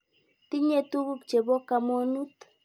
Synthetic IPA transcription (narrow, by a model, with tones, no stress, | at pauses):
ti˦ɲe˦tu˦bu˦k̚t͡ʃe˨bo˦ka˨mo˦nu˦t